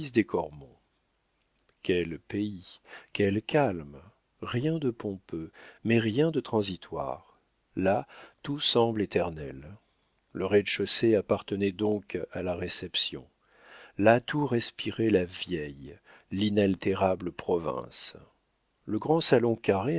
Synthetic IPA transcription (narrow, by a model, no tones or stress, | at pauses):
isd̪ekʰɔʁmɔ̰̃ | kʲɛlpeikʲɛlkʲalm | ʁjɛ̃d̪əpɔ̃pømɛʁjɛ̃d̪ət̪χɑ̃zit̪ʰwa̰ʁ | lat̪usɑ̃blet̪ɛʁnɛl | ləʁɛd̪ʃɔseapaʁt̪ənɛd̪ɔ̃kalaʁesɛpsjɔ̰̃ | lat̪ʰuʁɛspiʁɛlavjɛj | linalt̪eʁabləpχɔvɛ̰̃s | ləɡʁɑ̃salɔ̃kaʁe